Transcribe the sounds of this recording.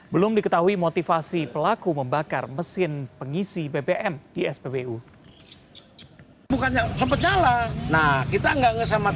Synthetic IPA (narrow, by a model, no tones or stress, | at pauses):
bəlʊmdikət̪aɦuimot̪ifasipəlakuməmbaka̰rməsɪnpəŋisibebeʔɛmd̥iɛsbebeu | bukanɲasəmpət̪̚ɲalanahkit̪aŋɡaʔŋəs̬ama